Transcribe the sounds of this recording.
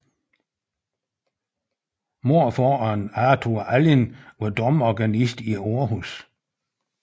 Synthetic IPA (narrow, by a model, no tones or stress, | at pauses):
mo̝ɐ̰fɔːɑnæt͡sʰuɐʔælinʋad̥ɒmɒɡ̥ænisd̥ioːɐɦus